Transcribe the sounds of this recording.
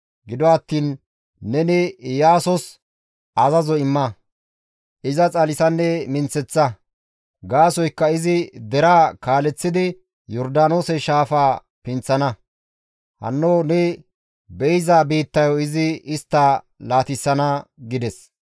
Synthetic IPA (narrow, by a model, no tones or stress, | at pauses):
ɡɪd̪ɔɐt̪ːiːnː | ɛnɛjaːsɔs | ɐzɐzɔɪmːɐ | ʔɪzɐt͡sʼɐlɪsɐnːɛmɪnt͡sːɛt͡sːɐ | ɡaːsɔjkːɐɪzɪd̪ɛɾaːkaːlɛt͡sːɪd̪ɪ | jɔɾd̪aːno̞ːsɛʃaːfaː | pɪnt͡sːɐnɐ | hɐ̰nːoːnɛ | bɛjzaːbeːt̪ːɐjɔɪzɪɪst̪ːa | laːt̪ɪsːɐnɐɡɪd̪ɛs